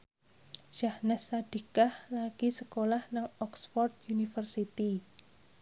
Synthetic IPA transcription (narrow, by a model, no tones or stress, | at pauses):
ʃahnɛsːad̥i̤kahlaɡ̥isəkolahnaŋɔksfɔrt̪̚junifərsit̪i